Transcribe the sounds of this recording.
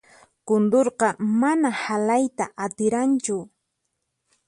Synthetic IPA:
kʊnd̪oɾqɑmanahalajt̪aʔat̪ɪɾant͡ʃʊ

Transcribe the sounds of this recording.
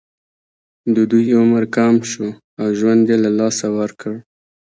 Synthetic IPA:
d̪əd̪ujʊməɾkamʃu | awʒwand̪jelalɑsawəɾkəɽ

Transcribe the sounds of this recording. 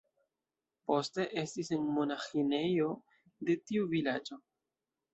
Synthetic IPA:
po̞ste̞ʔe̞stisenmo̞naxine̞jo̞ | de̞tiuvilad͡ʒo̞

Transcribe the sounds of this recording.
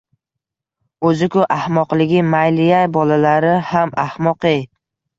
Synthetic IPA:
ɵzɪkʰʊʔahmɒqlˠɪɡʲɪmajlɪjajbɒlalaɾɪhamahmɒqej

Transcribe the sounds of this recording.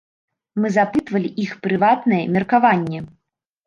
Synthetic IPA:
mɨzapɨt̪vɐlʲiʔixpɾɨvat̪nɐjɛmʲɛrkavanʲːɛ

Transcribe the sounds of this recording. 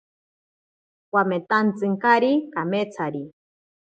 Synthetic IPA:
wwamet̪ant͡sɨŋkaɾikamet͡sʰaɾi

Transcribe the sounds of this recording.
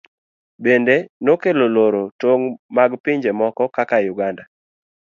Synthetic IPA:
bendenokeloloɾotoŋmaɡpɪɲd͡ʒemɔkɔkakajʊɡanda

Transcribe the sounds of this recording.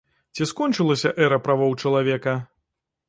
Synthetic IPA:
t͡sʲiskɔnt͡ʂɨlˠɐsʲɐʔɛɾɐpɾavɔwt͡ʂɐlˠavʲɛkɐ

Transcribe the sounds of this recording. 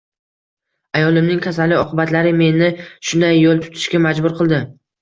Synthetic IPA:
ajɒlˠɪmnɪŋʲkʲʰas̬alːɪɒqʰɨbat̪laɾɪme̞nɪʃʊnd̪ajːolˠt̪ʰʊ̥t̪ʰɪ̥ʃkʲamad͡ʒbʊɾqʰɨlˠd̪ɪ

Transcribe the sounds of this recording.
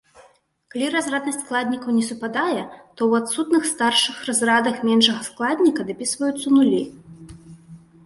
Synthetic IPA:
kalʲiɾazrad̪nɐsʲtʲsklˠad̪ʲnʲikɐwnʲɛsupad̪ajɛt̪ɔwat̪sut̪nɨxst̪arʂɨxrazrad̪ɐxmʲɛnʂɐɣɐsklˠad̪ʲnʲikɐd̪apʲisvɐjut̪sːɐnulʲi

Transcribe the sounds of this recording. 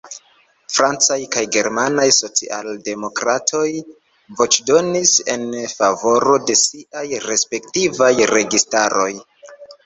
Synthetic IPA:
fɾant͡sajkajɡe̞ɾmanajso̞t͡sḭʔalde̞mo̞kɾatʰo̞j | vo̞t͡ʃdo̞nise̞nfavo̞ɾo̞de̞siʔajɾe̞spe̞ktivajɾe̞ɡistaɾo̞j

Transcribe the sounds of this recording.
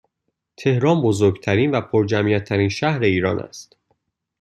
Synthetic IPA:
t̪ʰe̞hɾɒːnbozoɾɡt̪ʰæɾiːnvæpʰoɾd͡ʒæmijæt̪ʰːæɾiːnʃæhɾe̞iːɾɒːnʔæ̰st̪

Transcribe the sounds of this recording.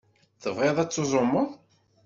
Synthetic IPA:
θəvʁeðˤæt͡sːozˤʊmːəðˤ

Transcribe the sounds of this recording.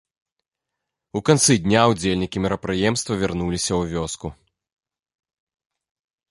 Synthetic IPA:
ukant̪sɨd̪ʲnʲawd͡zʲelʲnʲikʲimʲiɾɐpɾɨjɛmst̪vɐvʲirnulʲisʲɐwvʲɔsku

